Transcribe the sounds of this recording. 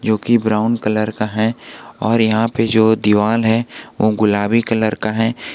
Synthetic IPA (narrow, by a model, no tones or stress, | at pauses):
d͡ʒoːkibɾaːʊnkɐləɾkaɦɛ̃ɔːɾjɐɦãped͡ʒoːd̪iʋaːlɦɛʋʔoɡʊlaːbikɐləɾkaɦɛ̃ː